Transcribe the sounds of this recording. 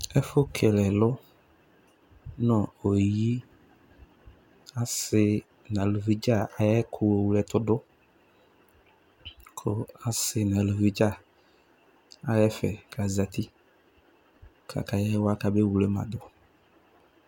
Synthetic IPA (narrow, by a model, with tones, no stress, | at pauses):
ɛ˦fʊ˦kʰɛ˨lɛ˨lʊ˦ | nɔ˨o˨ji˦ | a˦sɪ˦ | nã˨lu˨vi˦d͡ʒa˦˨a˨jɛ˦kʰʊ˨o˨wu˨lɛ˨t̪ʊ˦dʊ˦ | kʰʊ˨a˨sɪ˨nã˨lu˨vi˦d͡ʒa˦˨ | a˨jɛ˦fɛ̰˨kʰa˨za˨t̪i˦ | kʰa̰˨ka˨jɛ˦wa˦ka˨be˦wu˨lɛ˦ma̰˨d̪ʊ˨